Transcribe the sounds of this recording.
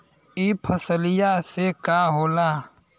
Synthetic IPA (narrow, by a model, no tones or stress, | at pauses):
ipʰəsəlɪjasekaɦoːlaː